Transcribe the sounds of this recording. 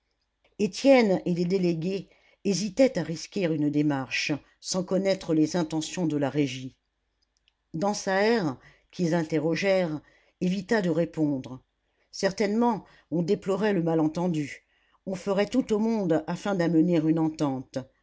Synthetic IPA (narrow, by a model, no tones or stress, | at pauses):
et̪jɛneled̪eleɡʲe | ezit̪ɛt̪aʁiskʲiʁynd̪emaʁʃ | sɑ̃kɔnɛt̪χəlezɛ̃t̪ɑ̃sjɔ̃d̪əlaʁeʒi | d̪ɑ̃saɛʁ | kʲizɛ̃t̪eʁɔʒɛʁ | evit̪ad̪əʁepɔ̃d̪ʁ | sɛʁt̪ɛnmɑ̃ | ɔ̃d̪eplɔʁɛləmalɑ̃t̪ɑ̃d̪y | ɔ̃fəʁɛt̪ut̪omɔ̃d̪afɛ̃d̪aməneʁynɑ̃t̪ɑ̃t̪